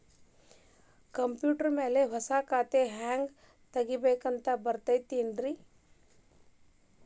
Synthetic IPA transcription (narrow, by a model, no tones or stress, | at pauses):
kəmpjuːʈəɾmeːleʋɐsakaːt̪eɦaŋɡ | t̪əɡibəjkənt̪abəɾt̪əjt̪enɖɾi